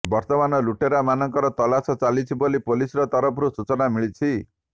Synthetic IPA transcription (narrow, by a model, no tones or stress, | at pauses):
bɔɾt̪ɔmanɔluʈeɾamanɔŋkɔɾɔt̪ɔlasɔt͡salit͡sʰibolipolisɾɔt̪ɔɾɔpʰɾusut͡sɔnamiɭit͡sʰi